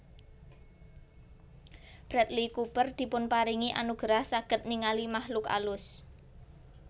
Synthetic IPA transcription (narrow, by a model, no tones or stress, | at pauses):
b̥ɾat̪̚likub̥ərd̪̥i̤pʊnpaɾiŋiʔanuɡ̥ɾahsaɡ̥ə̤t̪̚niŋalimahlʊka̰lʊs